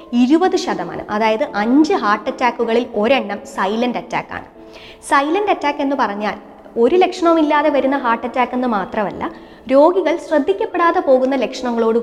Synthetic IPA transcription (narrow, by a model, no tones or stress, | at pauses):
iɾubɐðɨɕɐðɐma̰ːnɨ̰mʔɐðaːjɐðɨʔɐɲd͡ʑɨɦaːʈːɐtːaːkːuɣɐɭilo̞ɾeɳːɐmsɐjlɐndɐtːa̰ːkːa̰ːɳɨ | sɐjlɐndɐtːaːkːe̞nːɨpɐrɐɲːaːl | o̞ɾule̞kʂɐɳɐmilːaːðe̞ʋɐɾunːɐɦaːʈːɐtːaːkːenːɨmaːt̪rɐmɐ̰lːɐ̰ | ɾo̞ːɡiɣɐɭɕrɐd̪ʱːikʲːɐpːe̞ɽaːðepo̞ːɣunːɐle̞kʂɐɳɐŋːɐɭoːɽɨ